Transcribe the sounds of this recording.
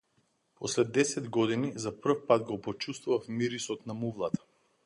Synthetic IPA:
pɔslɛd̪ɛsɛd̪ɡɔd̪inizapr̩fpad̪ɡɔpɔt͡ʃust̪vuvafmiɾisɔt̪namuvlˠat̪ḁ

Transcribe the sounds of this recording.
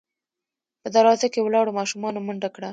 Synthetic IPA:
pəd̪aɾɑzakewlɑɽomɑʃumɑnomʊɳɖakɽa

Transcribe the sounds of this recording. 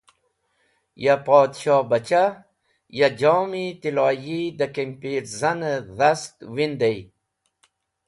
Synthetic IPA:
japɔːd̪ʃɔːbat͡ʃa | jad͡ʒomit̪ilɑjid̪akempiɾzanəðast̪wind̪ej

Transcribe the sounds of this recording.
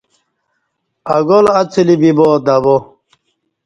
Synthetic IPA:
ɐɡolɐt͡sʰilibiboːd̪ɐbo

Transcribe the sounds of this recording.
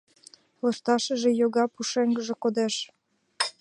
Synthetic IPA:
lɤʃt̪ɑʃə̆ʒejoɣɑpuʃeŋɡəʒĕkod̪eʃ

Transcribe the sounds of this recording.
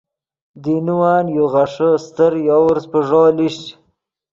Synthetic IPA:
d̪inuwaːnjoɣaʂəst̪əɾjawɾzpəʐoːliɕ

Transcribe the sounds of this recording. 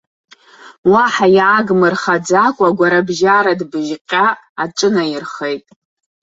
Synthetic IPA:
waħajʕaɡmɨrχad͡zakʷʼaɡʷaɾabʒaɾadbɨʒqʲʼaː | ʈ͡ʂʼɨnajɪrχejtʼ

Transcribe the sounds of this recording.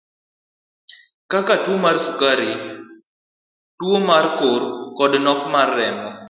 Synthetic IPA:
kakatwomarsukaɾi | twomarkoɾkɔdnɔkmarːɛmɔ

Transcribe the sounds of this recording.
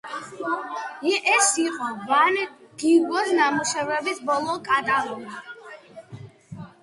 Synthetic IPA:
ɛʔɛsiqʼɔvanɡ̥iɡɔsnamuʃɛvɾɛbisbɔlˠɔkʼat̪ʼalɔɡi

